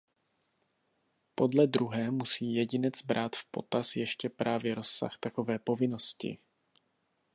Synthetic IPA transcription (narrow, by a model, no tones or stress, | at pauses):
po̞dlɛd̪ɾuɦɛːmusiːjɛɟɪnɛt͡sbɾʔaːt̪fpo̞̰t̪asjɛʃcɛpɾʔaːvjɛɾo̞sːa̰xt̪ako̞vɛːpo̞vɪno̞scɪ̰